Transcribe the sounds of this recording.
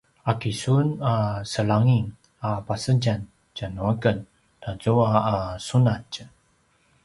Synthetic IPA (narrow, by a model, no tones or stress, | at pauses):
akisunasəlaŋiŋ | apasəɟan | d͡ʒanuaɡən | tazuaːsunat͡ʃ